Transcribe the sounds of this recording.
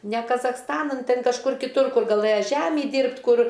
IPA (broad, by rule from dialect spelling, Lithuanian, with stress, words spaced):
nʲɛ kɐzɐxsˈtɑːnɐn ˈtʲɪn kɐʃˈkʊr kʲɪˈtʊr ˈkʊr ɡɐˈlˠɘjɛ ˈʒʲæmʲiː ˈdʲiːrʲpʲtʲ ˈkʊr